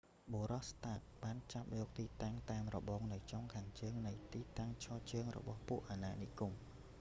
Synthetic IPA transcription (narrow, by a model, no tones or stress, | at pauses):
ɓoːɾɑhst̪aːt̪̚ɓaːnt͡ɕap̚jɔːk̚t̪iːt̪aŋt̪aːmrɔɓoːŋnɨwt͡ɕoŋkʰaːŋt͡ɕəːŋnɨjt̪iːt̪aŋt͡ɕʰɑːt͡ɕəːŋrɔ̰ɓɑhpuəʔanaːnikum